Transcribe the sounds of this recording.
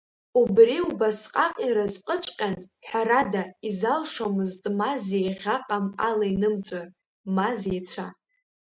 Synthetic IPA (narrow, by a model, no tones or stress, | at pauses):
ubriubasqʼaqʼiɾazqʼət͡ʃʷʼqʲʼanħʷᶣaɾadaizalʂomɨztʼmazejʁʲaqʼamalainɨmt͡sʷʼar | mazejt͡sʷʰa